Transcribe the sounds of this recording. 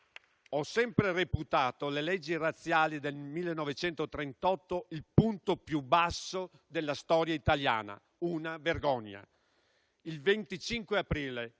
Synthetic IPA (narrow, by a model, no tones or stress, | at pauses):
ɔsːɛmpɾereput̪aːt̪olelɛd͡ʒːirat̪sːjaːlid̪elmilːenːɔvet͡ʃɛnt̪ot̪ɾent̪ɔt̪ːoilpunt̪opjubːasːo | d̪elːast̪ɔːɾjait̪alja̰ːna̰ | uːnaverɡɔɲːa̰ | ilvent̪it͡ʃiŋkweapɾiːle